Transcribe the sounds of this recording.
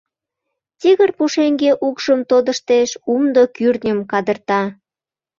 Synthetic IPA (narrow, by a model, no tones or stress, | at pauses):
t̪iɣərpuʃeŋɡeʔukʃəmt̪od̪əʃt̪eʃumd̪okyrnʲəmkɑd̪ərt̪ɑ